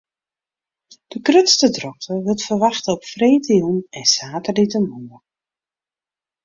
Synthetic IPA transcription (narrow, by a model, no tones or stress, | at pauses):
d̥əkrøtstədrɔxtəʋɪtfərʋɑxtəɔpfreːtiunɛnsaːtərlitəmɔnə